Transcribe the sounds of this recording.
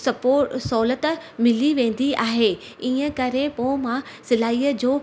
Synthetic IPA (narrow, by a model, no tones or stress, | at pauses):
ɐpoːsɔːlət̪mɪliʋẽːn̆d̪iaːɦeː | iːə̃kɐɾepoːmã | sɪlaːiːəd͡ʑoː